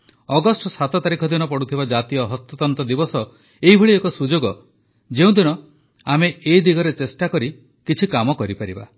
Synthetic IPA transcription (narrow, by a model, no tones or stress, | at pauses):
ɔɡɔsʈɔsat̪ɔt̪aɾikʰɔd̪inɔpɔɽut̪ʰibad͡ʒat̪ijɔɦɔst̪ɔt̪ɔnt̪ɔd̪ibɔsɔ | eibʱɔɭiekɔsud͡ʒoɡɔ | d͡ʒeũd̪iɽ̃ɔ | ameeid̪iɡɔɾet͡ʃesʈakɔɾi | kit͡ʃʰikamɔkɔɾipaɾiba̰